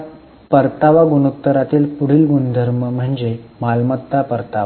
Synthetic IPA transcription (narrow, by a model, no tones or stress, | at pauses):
pəɾt̪aʋaɡunut̪ːəɾat̪iːlpuɽ̤iːlɡund̪ʱəɾməm̤əɳd͡ʑemalmət̪ːapəɾt̪aa